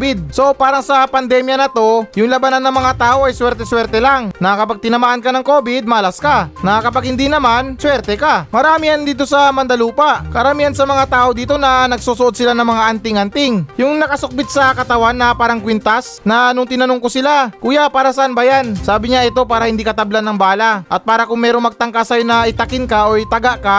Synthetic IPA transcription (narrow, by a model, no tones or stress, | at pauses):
bɪd̪̚so̞paːɾɐŋsɐpɐnd̪ɛmjɐnɐt̪o̞jʊŋlɐbananːɐŋmɐŋat̪aːʔo̞ʔɐjswɛɾt̪ɛswɛɾt̪ɛlaŋnɐkɐpaɡ̚t̪ɪnɐmaːʔɐnkɐnɐŋko̞bɪd̪̚mɐɐlaskanɐkɐpaɡ̚hɪnd̪inɐmanswɛɾt̪ɛkamɐɾaːmijɐnd̪iːt̪o̞sɐmɐnd̪ɐluːpɐʔkɐɾɐmiːhɐnsɐmɐŋat̪aːʔo̞d̪iːt̪o̞nɐnɐɡ̚suːsoʔod̪sɪlanɐŋmɐŋaʔɐnt̪ɪŋʔɐnt̪ɪŋjʊŋnɐkɐsʊk̚bɪt̪̚sɐkɐt̪ɐwanːɐpaːɾɐŋkwɪnt̪asnɐnʊŋt̪ɪnɐnoŋkosɪlakuːjapaːɾɐsɐʔɐnbajansaːbɪɲaʔɪt̪o̞paːɾɐhɪnd̪ikɐt̪ɐblanːɐŋbaːlaʔɐt̪̚paːɾɐkʊŋmɛːɾoŋmɐɡ̚t̪ɐŋkasɐjonɐʔɪt̪ɐkɪnkaʔojt̪ɐɡaʔka